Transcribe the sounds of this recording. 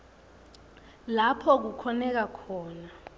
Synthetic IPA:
lapʰɔk̬ukʰɔnɛk̬akʰɔːna

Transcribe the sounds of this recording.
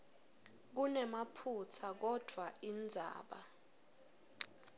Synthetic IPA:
k̬unɛmapʰut͡sʰak̬ɔd̥ʱwaʔind͡zʱa̰ːɓa̰

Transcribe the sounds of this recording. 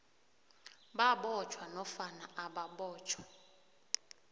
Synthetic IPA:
ɓaɓɔt͡ʃʰwanɔfanaʔaɓaɓɔːt͡ʃʰʼwḁ

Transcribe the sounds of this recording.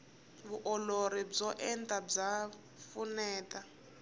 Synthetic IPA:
βuʔɔloɾib͡ʐɔʔɛntʼab͡ʐa | funɛːtʼa

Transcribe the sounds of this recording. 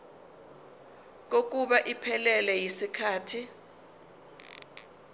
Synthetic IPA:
k̬ok̬uɓaʔipʰɛlɛlɛjisikʰaːtʰi

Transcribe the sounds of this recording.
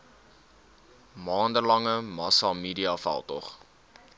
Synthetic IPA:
mɑːndəlɐŋəmɑsɑmiːdiɑfæ̰lˠtɔ̰χ

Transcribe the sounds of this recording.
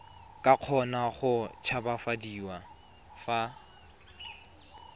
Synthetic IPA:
kʼaq͡χʰɔnaχʊt͡ʃʰabafadiːwa | fa

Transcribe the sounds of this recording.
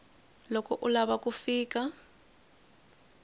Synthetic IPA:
lɔkʼɔʔʊlaβakʼufiːkʼa

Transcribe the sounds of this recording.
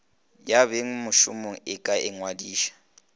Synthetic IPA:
jabeŋ̩mʊʃʊmoŋ̩ɪkʼaʔɪŋwadiːʃḁ

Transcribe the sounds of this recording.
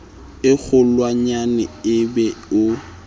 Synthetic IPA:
ɪk͡xʰʊlwaɲanɪɪbɛʊ

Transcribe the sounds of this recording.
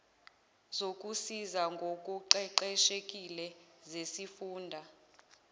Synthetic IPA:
zok̬ʼusizaŋɡʱok̬ʼuǃɛǃɛʃek̬ʼilɛzesifuːndʱa

